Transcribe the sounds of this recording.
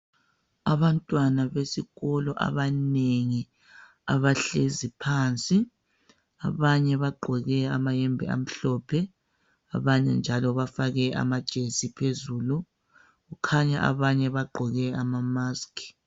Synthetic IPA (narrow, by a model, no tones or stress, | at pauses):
aβantʼwanaβesiɣɔlɔʔa̰βaneŋi | a̰βaɬezipʰaːnt͡sʼi | a̰βaɲɛβaɡ͡ǃʱɔɣɛamajɛmbʱɛ̰a̰m̩ɬɔpʰɛ | a̰βaɲɛ̰nd͡ʒʱalɔβafaɣɛa̰mad̥ʒ̥ʱesipʰezuːlu | ɣukʰaɲa̰ʔa̰βaɲɛβaɡ͡ǃʱɔɣɛamamaːskʰʼi̥